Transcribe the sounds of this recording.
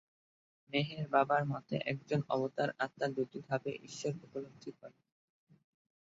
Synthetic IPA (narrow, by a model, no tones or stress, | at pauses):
meɦeɾbabaɾmɔt̪ḛʔɛk̚d͡ʑonɔ̰bot̪aɾat̪ːad̪ud̪id̪bʱabḛʔiʃːoɾupolokt̪ʰːiɔɾe